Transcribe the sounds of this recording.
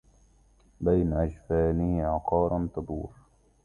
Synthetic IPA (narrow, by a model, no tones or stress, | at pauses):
bajnʔad͡ʒfaːnɪhʕɑqɑːɾˤɑnt̪ɑd̪ˤuːɾ